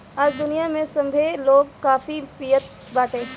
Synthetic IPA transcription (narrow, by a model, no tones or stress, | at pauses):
aːd͡ʒd̪ʊnijamẽsɐ̃mbʱeloːɡ̚kaːfipiːjət̪̚ | baːʈ̪ẽː